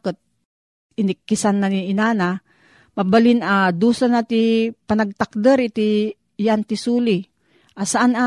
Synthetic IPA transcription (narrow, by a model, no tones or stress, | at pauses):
kət̪̚ | ɪnɪkːɪsanːaniɪnaːna | mabalɪnad̪uːsanat̪ipanɐɡ̚t̪ak̚d̪əɾit̪i | jant̪ɪsuːli | ʔasaʔana